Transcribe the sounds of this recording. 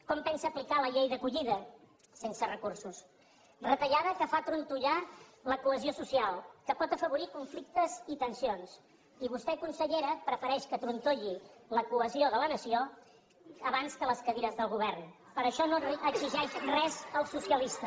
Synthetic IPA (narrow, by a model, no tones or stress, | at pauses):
kɔmpɛnsəːplikaləʎejðəkuʎiðə | sensərəkursus | rət̪əʎað̞əkəfat̪ɾunt̪uʎaləkuəziosusialˠkəpɔt̪əfəβ̞uɾikuɱflik̚t̪əzit̪ənsions | iβ̞ust̪ɛkunsəʎeɾəpɾəfəɾɛʃkət̪ɾunt̪oʎiləkuəzioðələnəsio | əβanskələskəβiɾəzðəlˠɣuβ̞ɛrn | pəɾəʃɔnoəziʒɛʃrɛzəlˠsusiəlist̪ə